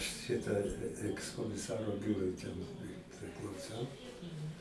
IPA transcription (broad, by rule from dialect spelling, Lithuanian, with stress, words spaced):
ˈʃʲɪtɐ ˌæːkskoːmʲɪˈsɑːroː ˈbʲuːrʊɪ tʲɛn ɪ pʲrʲɪklˠɐʊˈsɐʊ